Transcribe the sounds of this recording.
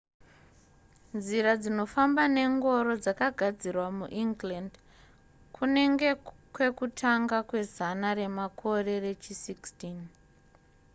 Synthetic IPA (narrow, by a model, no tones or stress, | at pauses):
nziɾad͡zino̞fambane̞ŋɡo̞ɾo̞d͡zakaɡʱad͡zirwamuʔiŋɡland | kʰune̞ŋɡe̞kwe̞kutʰaŋɡakwe̞zanare̞makʰo̞re̞re̞t͡ʃisikstin